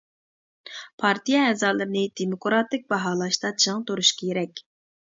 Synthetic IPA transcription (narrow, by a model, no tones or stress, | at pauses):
pʰɑɾt̪ʰijɑɛzɑːlˠɨɾɨnɨd̪̥emokɾɑt̪ɪk̚ʲbɑɦɑːlˠɑʃt̪ɑt͡ʃʰəŋt̪ʰoɾuʃkɑjeɾɛkʲ